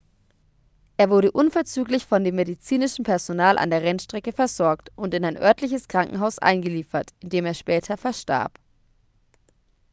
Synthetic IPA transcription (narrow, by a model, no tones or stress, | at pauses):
ʔeːɐvʊɐɾəʔʊnfɛɐt͡syːklɪçfɔndeːmːedit͡siːnɪʃn̩pʰɛɐzonaːlʔa̰ndeːɐʁɛnʃtʁ̥ɛkəfɛɐzɔɐktʔʊntɪnaɪnʔœ̰ɐtʰlɪçəskʁ̥aŋkŋ̩ɦaʊsʔa̰ɪnɡəliːfɐtʔɪndeːmeːɐʃpɛːtʰɐfɛɐʃta̰ɐp